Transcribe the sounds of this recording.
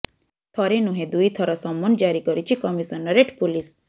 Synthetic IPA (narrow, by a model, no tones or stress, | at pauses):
t̪ʰɔɾenuɦẽd̪ujt̪ʰɔɾɔsɔmːɔnd͡ʒaɾikɔɾit͡ʃʰikɔmisɔnɔɾeʈpulis